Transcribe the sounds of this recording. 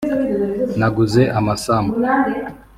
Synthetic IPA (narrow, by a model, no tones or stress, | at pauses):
naɡuzeʔamasamnand